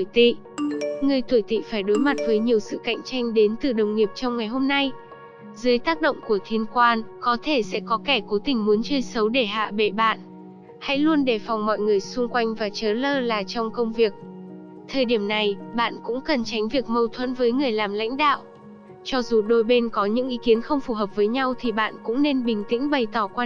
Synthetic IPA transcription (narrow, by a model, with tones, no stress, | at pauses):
t̪ḭ˧˨ | ŋɨ˨˩əjt̪ʰwu˧˩jt̪ḭ˧˨faː˧˩jɗo˨˦jma˨˩t̚vəː˨˦jɲi˨˩əwsɨ̰˧˨ka̰˧˨jŋ̟t͡ɕa˧jŋ̟ɗe˨˦nt̪ɨ˨˩ɗə˨˩wŋ͡mŋi˨˩əp̚t͡ɕɔ˧wŋ͡mŋa˨˩jɦo˧mna˧j | zɨː˨˦jt̪aː˦˥k̚ɗo̰˧˨wŋ͡mku˧˩ət̪ʰi˧ənkwaː˧nkɔ˨˦t̪ʰe˧˩sɛ̰˧˥kɔ˨˦kɛ˧˩ko˨˦t̪ï˨˩ŋ̟mu˨˦ənt͡ɕəː˧jsə˨˦wɗe˧˩ɦa̰ː˧˨ɓe˧˩ɓa̰ː˧˨n | ha̰˧˥jlu˧ənɗe˧˩fɔ˨˩wŋ͡mmɔ̰˧˨jŋɨ˨˩əjsʊ˧ŋ͡mkwa˧jŋ̟vaː˨˩t͡ɕəː˨˦ləː˧laː˨˩t͡ɕɔ˧wŋ͡mkə˧wŋ͡mvi˨˩ək̚ | t̪ʰəː˨˩jɗi˧˩əmna˨˩jɓa̰ː˧˨nkʊ̰˧˥ŋ͡mkə˨˩nt͡ɕa˨˦jŋ̟vi˨˩ək̚mə˧wt̪ʰwə̰˧˥nvəː˨˦jŋɨ˨˩əjlaː˨˩mla̰˧˥jŋ̟ɗa̰ː˧˨w | t͡ɕɔ˧zu˨˩ɗo˧jɓe˧nkɔ˨˦ɲɨ̰˧˥ŋʔi˨˦ki˨˦ənxə˧wŋ͡mfu˧˩ɦəː˨˩p̚vəː˨˦jɲa˧wt̪ʰi˨˩ɓa̰ː˧˨nkʊ̰˧˥ŋ͡mne˧nɓï˨˩ŋ̟t̪ḭ˧˥ŋ̟ɓə˨˩jt̪ɔ˧˩kwaː˧